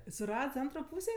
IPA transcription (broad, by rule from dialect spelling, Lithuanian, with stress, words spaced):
sʊˈrɐts ˈɐntroː ˈpuːsʲeː